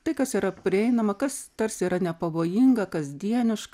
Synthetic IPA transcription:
t̪ɐɪkɐsiːɾɐpʲɾʲɪɛɪnɐmɐkɐst̪ɐɾʲsʲiːɾɐnʲɛpɐʋoːjɪŋɡɐkɐzʲd̪ʲiɛnʲɪʃkɐ

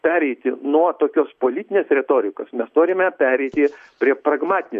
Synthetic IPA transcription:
pʲæːɾʲɛɪt̪ʲɪnuɔt̪oːkʲoːspoːlʲiːt̪ʲɪnʲeːsɾʲɛt̪oːɾʲɪkoːsmʲɛst̪oːɾʲɪmʲɛpʲæːɾʲɛɪt̪ʲɪ | pʲɾʲiɛprɐɡmɑːt̪ʲɪnʲɪ

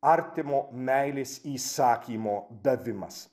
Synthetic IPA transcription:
aɾt̪emomæjlesiːsaːkʰʲiːmod̪ɐvɪmɐ̰s

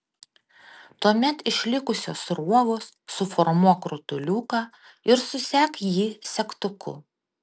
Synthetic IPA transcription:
t̪uɔmʲɛt̪ɪʃʲlʲɪkʊsʲoːsɾuɔʋoːsːʊfɔɾmuɔkɾʊt̪ʊlʲuːkɑː | ɪɾsʊsʲæːkjiːsʲɛkt̪ʊkʊ̰

